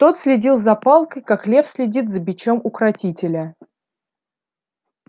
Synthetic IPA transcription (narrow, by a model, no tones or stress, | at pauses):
t̪o̞t̪sʲlʲɪdʲilˠzɐpalˠkəjkaklʲe̞fsʲlʲɪdʲit̪zəbʲɪt͡ɕo̞mʊkɾɐtʲitʲɪlʲə